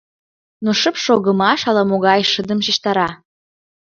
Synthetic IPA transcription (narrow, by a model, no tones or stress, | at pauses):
noʃəpʃoɣə̆mɑʃɑlɑmoɣɑjʃəd̪əmʃiʃt̪ɑɾɑ